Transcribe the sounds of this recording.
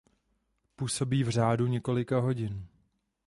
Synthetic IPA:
puːso̞biːvr̝aːduɲɛko̞lɪkaɦo̞ɟɪn

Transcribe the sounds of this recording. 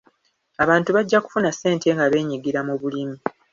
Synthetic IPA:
aβaːntuβaɟːaku̥funasːe̞ːntʰe̞ŋɡaβe̞ːɲiɡiɾamuβulimi

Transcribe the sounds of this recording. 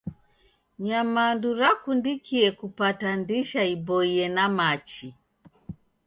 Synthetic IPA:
ɲamanduɾakundikiɛkupatandiʃaibɔiɛnamat͡ʃi

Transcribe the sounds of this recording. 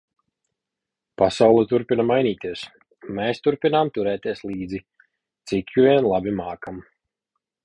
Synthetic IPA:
pasawlˠɛt̪uɾpʲinamajnʲiːt̪iɛs | meːst̪uɾpʲinaːmt̪uɾɛːt̪iɛslˠiːd̪zi | t̪sikjuvʲiɛnlˠabʲimaːkam

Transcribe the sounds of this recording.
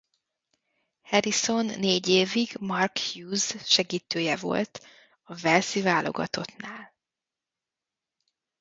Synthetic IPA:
hɛɾiso̞nːeːɟeːviɡmɒrkhjuːzʃɛɡiːt̪øːjɛvo̞̰lt̪ | ɒvɛlsivaːlo̞̰ɡɒ̰t̪o̞t̪naːl

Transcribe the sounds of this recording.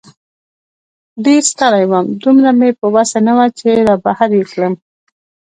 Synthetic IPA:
ɖeɾst̪alajwamd̪umɾamepəwasanawat͡ʃeɾabahaɾjekləm

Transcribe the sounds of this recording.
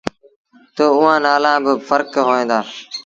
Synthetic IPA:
t̪oːʊɦãːnaːlãːbɪfəɾkɦoːẽːnd̪aː

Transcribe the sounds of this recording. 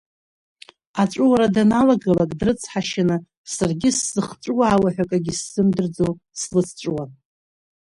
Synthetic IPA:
at͡ʃʷʼʊwaɾadanalaɡalakʼdrɨt͡sʰħaʃanɨ | sarɡʲɪsːɨχt͡ʃʷʼʊwaːwaħʷᶣakʼaɡʲisːɨmdɨrd͡zow | slɨt͡sʰt͡ʃʷʼwan

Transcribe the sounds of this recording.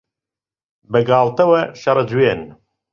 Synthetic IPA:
bɐɡaːlt̪ɐwɐʃɐɾɐd͡ʒuweːn

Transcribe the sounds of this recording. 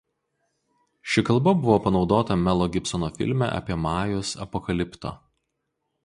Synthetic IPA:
ʃʲɪkɐlˠˑbɐbʊʋoːpɐnɒʊd̪oːt̪ɐmʲɛlˠɔːɡʲɪpsɔnoːfʲɪ̰lʲmʲæ̰ʔɐ̰pʲiɛmɑːjʊsɐ̰pɔkɐlʲɪpt̪o̰ː

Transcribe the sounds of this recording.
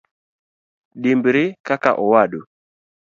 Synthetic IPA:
ɗimbɾɪkaka̰ʔɔwaɗo

